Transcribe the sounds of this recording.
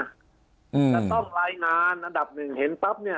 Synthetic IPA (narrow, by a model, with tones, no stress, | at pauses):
ʔɯ˩˨laː˧˩t̪ɔ˥˩ŋlaː˧jŋaː˧nʔa˧nda˨˩p̚nɯ˨˩ŋhe˩˦nt̪a˦˥p̚ni˥˩ɐ